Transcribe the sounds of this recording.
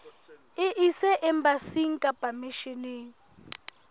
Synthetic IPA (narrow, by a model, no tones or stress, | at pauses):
iʔisɛʔɛmbasiŋ̩kʼab̥ʱamiʃineːŋi